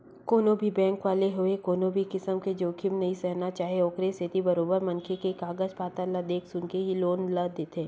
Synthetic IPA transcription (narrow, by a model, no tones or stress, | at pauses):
koːnõbʱibɛ̃ːŋkʋaːleɦoekoːnobʱikɪsəmked͡ʒoːkʰɪmnɐisɛɦnat͡ʃaːɦieoːkɾesɪt̪ibɐɾoːbəɾmɐ̃nkʰekekaːɡəd͡ʒpaːt̪alad̪eːkʰsʊnkeɦiloːnləd̪et̪ʰẽː